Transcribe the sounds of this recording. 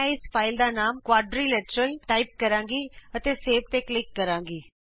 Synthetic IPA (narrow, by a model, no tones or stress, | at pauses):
ɪspʰaːɪld̪aːnaːmkwaːɖɾiːlɛʈɾəlʈaːɪp̚kəɾãːŋɡiːət̪eːseːʋt̪eːklɪkːəɾãːŋɡiː